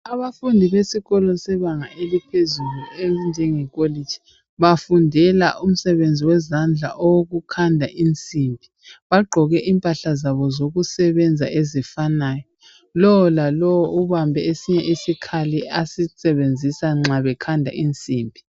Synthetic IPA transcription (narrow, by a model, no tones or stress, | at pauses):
aβafundʱiβesiɣɔlɔsɛβaŋaʔelipʰezulueind͡ʒʱɛŋɛkʼolid͡ʒʱi | βafundʱɛla̰ʔum̩sɛβend͡zʱiwɛzand͡ɮʱa̰ʔɔwoɣukʰandʱaʔint͡sʼimbʱi | βaɡ͡ǃʱɔɣɛʔiːmpʼaɬazaβɔzoɣusɛβɛnd͡zʱa̰ʔezifanaːjɔ | lɔwɔlalɔwɔuβambʱɛesiɲɛʔisikʰaliasisɛβend͡zʱisaŋ͡ǁaβɛkʰandʱa̰ʔint͡sʼiːmbʱi